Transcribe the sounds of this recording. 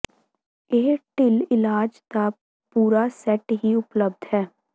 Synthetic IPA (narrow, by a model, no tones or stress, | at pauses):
eːʈɪlɪlaːd͡ʒd̪aː | puːɾasɛʈɦiʊpləb̚d̪ɦɛː